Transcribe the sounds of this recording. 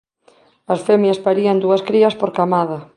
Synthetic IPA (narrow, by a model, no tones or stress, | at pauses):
ɐsfemjaspaɾiɐnd̪uɐskɾiɐspoɾkamað̞ɐ